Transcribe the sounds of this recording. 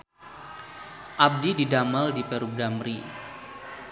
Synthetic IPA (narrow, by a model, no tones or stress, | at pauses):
ʔab̚dididamaldipɛɾub̚damɾi